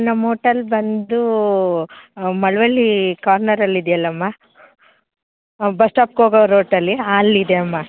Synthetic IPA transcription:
nɐmɦoːʈɐlbɐnd̪u | mɐɭʋɐlːikaːɾnɐɾɐlːid̪jɐlːɐmːa | bɐsʈaːp̚koːɡɐɾoːʈɐlːiaːlːid̪eɐmːa

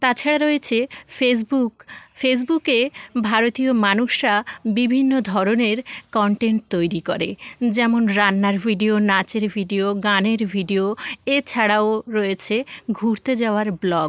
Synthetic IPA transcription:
t̪at͡ɕʰaɽaɾoet͡ɕʰefes̬bukfes̬bukebʱaɾot̪iomanuʃɾabibʱinːod̪ʱɔɾoneɾkɔɳʈeɳʈ̚t̪ojɾikoɾed͡ʑɛmonɾanːaɾbʱiɖionat͡ɕeɾbʱiɖioɡaneɾbʱiɖioet͡ɕʰaɽaoɾoet͡ɕʰeɡʱuɾt̪ed͡ʑaoaɾblɔɡ

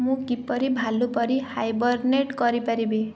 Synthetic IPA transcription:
mũkipːɔɾibʱalupɔɾihajbɔɾneʈkɔɾipaɾibe

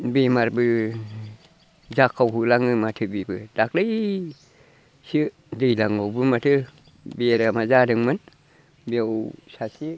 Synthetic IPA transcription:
bimaɾbɨ | zakʰːawɦulaŋɨmat̪ʰɯbibɨd̥ak̚lə | si | dɨjlaŋowbɨmatʰɯ | bieɾamazadɨŋmɨn | biawsasi

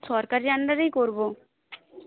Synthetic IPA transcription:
sɔɾkaɾand̪əɾeikoɾbo

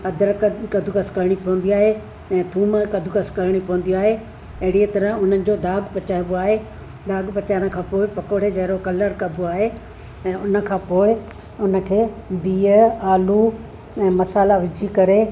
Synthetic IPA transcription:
ɐd̪əɾkkɐd̪ʱukɐskɐɾɽ̃ipɐʋə̃n̆d̪iaːɦe | ɛ̃ːt̪ʰuːməkɐd̪ʱukɐskɐɾɽ̃ipɐʋə̃n̆d̪iaːɦe | ɐɦɪɽiet̪ɐɾəʊn̤ənɪ̆d͡ʑoːd̪aːɡpɐt͡ɕaːɪboaːɦe | d̪aːɡpɐt͡ɕaːɽ̃ə̃̆kʰãːpoːɪpɐkoːɽ̤ed͡ʑɐɦɪɾokɐləɾkɐb̪ʱuaːɦe | ɛ̃ːʊnə̆kʰãːpoːɪ | ʊnə̆kʰeː | biːəaːlu | ɛ̃ːmɐsaːlaʋɪd͡ʑʱikɐɾe

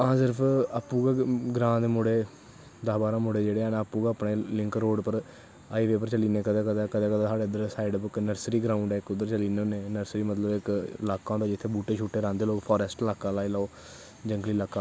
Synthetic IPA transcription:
ãːsɪɾpʰapːuːɡaːɡɾãːd̪mʊɽeː | d̪aːbaːɾãːmʊɽeːd͡ʒeːɽeːaːnaːpːũːɡaːəpɳeːlɪŋkɾoːɖpəɾ | aːiːʋeːpəɾt͡ʃəliːneːkəd̪ɛːkəd̪aːkəd̪ɛːkəd̪aːsaːɽeːd̪əɾsaːɪɖəpɪknəɾsɾiːɡɾaːʊɳɖɛːɪkːʊd̪ːəɾt͡ʃəliːneoːneːnəɾsɾiːmət̪ləbɪkɪlaːkãːd̪aːd͡ʒɪt̪ʰːeːbuːʈeːt͡ʃʰuːʈːeːɾãːnd̪eːloːkpʰɔːɾɛːsʈlaːkaːlaːiɪlaːoː | d͡ʒəŋɡliːlaːkaː

